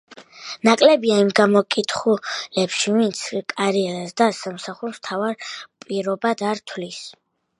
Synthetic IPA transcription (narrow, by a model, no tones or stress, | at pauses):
nakʼlɛbiaimɡamɔkʼit̪ʰχulɛpʃivint̪sʰkʼaɾiɛɾasd̪asamsaχuɾst̪ʰavaɾpʼiɾɔbad̪aɾt̪ʰlis